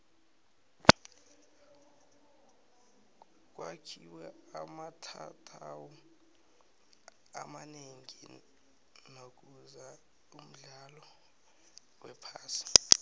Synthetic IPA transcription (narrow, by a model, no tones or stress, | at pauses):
k̬wakʰiwɛamatʰtʰawɔ | a̰maneŋi | nok̬uza | um̩ɮalɔ | wɛpʰaːsi̥